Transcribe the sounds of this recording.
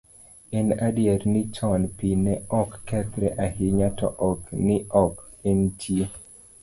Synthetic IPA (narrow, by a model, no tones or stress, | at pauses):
ɛnadjɛɾnɪt͡ʃɔnpinɛɔkːɛt̪ɾɛʔahɪɲatɔ̰ʔɔknɪɔkɛntʰije